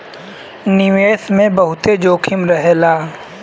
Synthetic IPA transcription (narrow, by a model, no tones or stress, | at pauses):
nɪʋeːsmẽbɐɦʊt̪ed͡ʒoːkʰɪmɾəɦlaː